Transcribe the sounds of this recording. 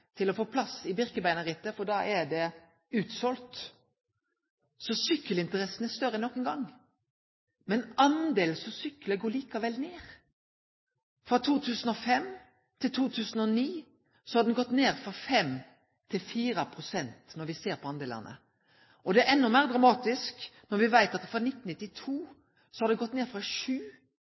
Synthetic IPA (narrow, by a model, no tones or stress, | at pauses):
t̪ʰɪlɔfoːpʰlɑsɪbɪʁkəbæɪnəʁɪt̪ːəfɔɖ̪ɑːʔæd̪ɛ | ʉːt̪sɔlt̪ | sɔsʏkːəlɪnt̪əɾɛsənæst̪œɾənɔkːənɡɑŋː | mɛnʔɑnd̪eːlsɔsʏkːləɡoːɭiːkɑʋɛlneːʁ | fɾɑt̪ʰuːt̪ʰʉːsən̩ɔfɛm | t̪ʰɪlt̪ʰuːt̪ʰʉːsən̩ɔniː | sɔhɑɾd̪ɛnɡɔt̪ːneːʁfɾɑfɛm | t̪ʰɪlfiːɾəpʰɾʊsɛnt̪nɔɾʋɪseːɾpʰɔɑnd̪eːlɑ̰nə̰ | ʔɔd̪ɛæʔɛnːɔmæːʁd̪ɾɑmɑːt̪ɪsknɔɾʋɪʋæɪt̪ɑt̪fɾɑnɪt̪ːn̩nɪt̪ːɪt̪ʰuː | sɔhɑɾd̪ɛɡɔt̪ːneːɾfɾɑʃʉː